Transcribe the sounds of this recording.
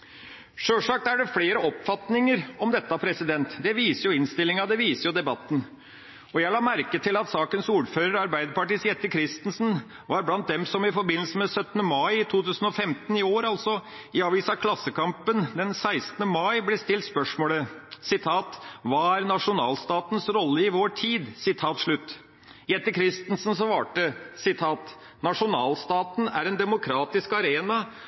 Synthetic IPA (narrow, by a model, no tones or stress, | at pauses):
ʂøːʂɑːk̚t̪æɖɛfleːɾəɔpfɑt̪nɪŋəɾɔmd̪ɛt̪ːɑpʰɾɛsɪd̪ɛnt̪d̪ɛʋiːsəɾjʊɪnst̪ɪlːɪŋɑd̪ɛʋiːsəɾjʊd̪ɛbɑt̪ːn̩ | ɔjæɪlɑːmæɾkət̪ʰɪlɑt̪sɑːkənsuːɾføːɾəɾɑɾbæɪd̪əɾpɑʈiːsjɛt̪ːəkʰɾɪst̪ən̩sn̩ | ʋɑɾblɑnt̪̚d̪ɛmsɔmɪfɔɾbɪnl̩səmɛsœt̪ːənəmɑɪɪt̪ʰuːt̪ʉːsən̩ɔfɛmt̪ənɪoːɾɑlsɔ | ɪɑːʋiːsɑkʰlɑsːəkɑmpənd̪ɛnsæɪst̪n̩əmɑɪblɛst̪ɪlt̪spœʂmoːləsɪt̪ʰɑːt̪ʋɑːæɾnɑʂʊnɑːlst̪ɑːt̪nsɾɔlːəɪʋoːʈʰiːd̪sɪt̪ʰɑːt̪ʂɭʉt̪ː | jɛt̪ːəkʰɾɪst̪nsn̩sɔʋɑːʈəsɪt̪ʰɑːt̪ | nɑʂʊnɑːlst̪ɑːt̪næ̰ɾɛnd̪ɛmʊkʰɾɑːt̪ɪskɑɾeːnɑ